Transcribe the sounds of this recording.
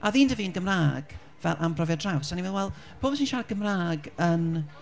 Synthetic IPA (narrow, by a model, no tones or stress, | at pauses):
aðiːndəviːənɡəmraːɡ̥ | vɛlˠʔampʰrɔvjadrawsaniwɛlwɛlˠ | b̥ʰoːbsinʃaɡ̥əmraːɡən